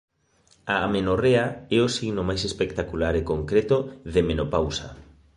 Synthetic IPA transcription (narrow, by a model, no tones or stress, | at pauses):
aamenoreaɛosiɣnomajsespekt̪akulaɾekoŋkɾet̪oðemenopawsɐ̰